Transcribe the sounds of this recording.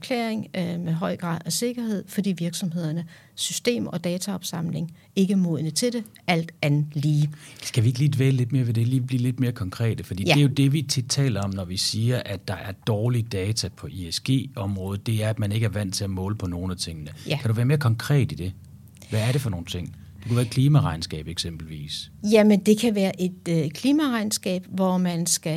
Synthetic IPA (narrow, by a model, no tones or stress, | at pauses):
æɐkʰlḛːeŋmeɦɒ̽ɪ̰ɡ̥ʁɑ̰̈ːð̰ˠɒse̝ɡ̥ɐhe̝ð̞̰ˠfɒ̽d̥ḭːʋiɐɡ̥sɒ̽mɦe̝ð̞̰ˠɐnə | sysd̥e̝̰ːmɒ̽d̥ɛːt͡sʰæɒ̽b̥sɑ̈m̰le̝ŋ | e̝ɡ̥əæɐmoðˠnət͡sʰe̝d̥e̝ | ʔæl̰d̥ænð̩ˠliːsɡ̥æʋie̝ɡ̥liːd̥ʋḛːləle̝d̥me̝ːɐʋe̝d̥e̝liːb̥lḭːle̝d̥̚me̝ːɐkʰɒ̽ŋkʰʁɛ̰ːd̥əfɒd̥ḭːd̥e̝æjo̝d̥e̝ʋit͡sʰid̥t͡sʰɛ̰ːlɐɒ̽mnɒʋisiːɐʔæd̥ɑ̈ʔæɐd̥ɒːlid̥ɛːt͡sʰæpʰɒ̽ʔiesɡ̥e̝̰ːɒ̽mʁɔ̽ːð̞̩ˠd̥e̝æɐæd̥mæne̝ɡ̥æɐʋæn̰t͡sʰe̝æmɔ̰ːləpʰɒ̽no̝ːn̩æt͡sʰe̝ŋ̰ənəkʰæɾuʋæːɐme̝ːɐkʰɒ̽ŋkʰʁɛ̰ːd̥id̥e̝ | ʋæːɐɾe̝fɒno̝ːn̩t͡sʰe̝ŋ̰ | d̥ekuʋæːɐed̥kʰliːmæʁɑ̈ɪnsɡ̥ɛ̰ːb̥eɡ̥sem̰b̥l̩ʋḭːsjæmend̥e̝kʰæʋæːɐʔe̝d̥kʰliːmæʁɑ̈ɪnsɡ̥ɛ̰ːb̥ʋɒmænsɡ̥æ